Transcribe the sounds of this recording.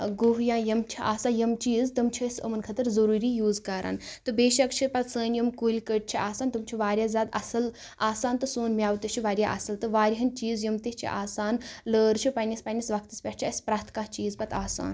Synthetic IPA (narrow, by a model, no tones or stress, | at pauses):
ɡuɦjãːjɐmt͡ʃʰiʔa̰ːsaːjɐmt͡ʃiːzt̪ɐmt͡ʃʰiɐsɐ̰mɐnkʰɐt̪ɨɾzɐɾuːɾiːjuːzkaːɾa̰ːnt̪ɨbeːʃɐkt͡ʃʰipɐt̪səːnjɐmkuːlʲkəʈ̚t͡ʃʰiʔaːsaːnt̪ɨmt͡ʃʰiʋaːɾʲjaːzʲaːd̪ɐ̰sɐl | aːsaːnt̪ɨsoːnmʲjaːʋt̪ɨt͡ʃʰiʋaːɾjaʔɐ̰sɐlt̪ɨʋaːɾʲɦɐnt͡ʃiːzjɐmt̪iht͡ʃʰḭʔaːsaːnləːɾt͡ʃʰipɐnispɐnʲisʋɐk̚ʰt̪ispʲɐʈt͡ʃʰiɐsʲpɾaːt̪ʰkat͡ʃiːzpɐt̪ʰaːsa̰ːn